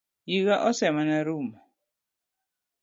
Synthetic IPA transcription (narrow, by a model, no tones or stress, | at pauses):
jiɣaʔɔsɛmanaɾuma